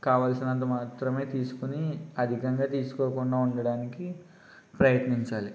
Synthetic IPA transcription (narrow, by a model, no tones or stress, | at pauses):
kaːʋaːlsinɐnt̪̬ɐmaːt̪ɾɐme̞ːt̪iːsu̥kuniɐd̪ʱikɐŋɡaːt̪iːsu̥koːkuɳɖaːuɳɖɐɽaːniki | pɾɐjɐt̪niɲt͡ʃaːli